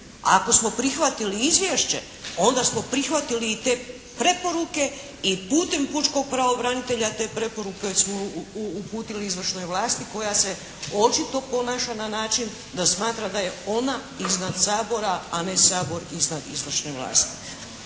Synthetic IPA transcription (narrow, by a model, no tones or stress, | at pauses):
a̰ko̞smo̞pɾixʋat̪iliizʋʲjeʃt͡ɕe̞̰ | o̞nd̪asmo̞pɾixʋat̪iliːt̪e̞ː | pɾe̞po̞ɾuke̞ | ipuːt̪e̞mput͡ʃko̞ɡ̚pɾaʋo̞bɾanit̪e̞ʎat̪e̞ːpɾe̞po̞ɾukeosmoːpuːt̪iliizʋr̩ʃno̞jʋlˠaːst̪iko̞jase̞ | o̞t͡ʃit̪o̞po̞naːʃananaːt͡ʃin | d̪asmaːt̪ɾad̪aje̞o̞na | iznad̪saːbo̞ɾaane̞saːbo̞ɾiznad̪izʋr̩ʃneʋlˠa̰ːst̪i̥